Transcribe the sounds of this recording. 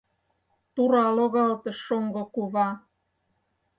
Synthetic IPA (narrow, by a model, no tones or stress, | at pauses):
t̪uɾɑloɣɑlt̪ə̆ʃːoŋɡokuβɑ